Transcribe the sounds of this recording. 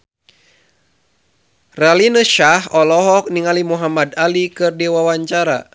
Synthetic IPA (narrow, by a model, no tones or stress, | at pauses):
ralinəʃahɔlɔɦɔk̚niŋalimuɦamadalikɨrdiwawaɲt͡ʃaɾa̰